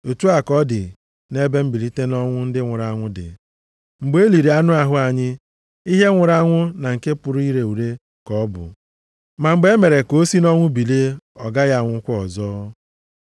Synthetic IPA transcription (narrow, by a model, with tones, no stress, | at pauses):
o˨tu˦a˨kɔ˦dɪ˨ | ne˦be˦m̩˦bi˨li˦te˦nɔ˦ŋʷʊ˦n̩˦dɪ˦ŋʷʊ˨ɾa˨˦ŋʷʊ˦dɪ̰˨ | ŋ͡m̩˨ɡ͡be˦li˨ɾi˨a˦nʊ˦a˨ɦʊ˦a˨ɲɪ˦ | i˦ɦe˦ŋʷʊ˨ɾa˦ŋʷʊ˦na˨ŋ̩˨ke˦pʊ˨ɾʊ˦i˦ɾe˨u˨ɾe˦ | kɔ˦bʊ̰˨ | ma˨ŋ͡m̩˨ɡ͡be˦me˨ɾe˨ko˦si˦nɔ˦ŋʷʊ˦bi˨le˦ɔ˨ɡa˦ja˦˨ŋʷʊ˦kʷʊ˦ɔ˨zɔː˦